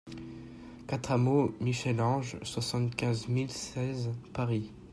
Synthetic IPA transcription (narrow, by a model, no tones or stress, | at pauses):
kat̪χamomiʃɛlɑ̃ʒswasɑ̃t̪kʲɛ̃zmilsɛzpaʁi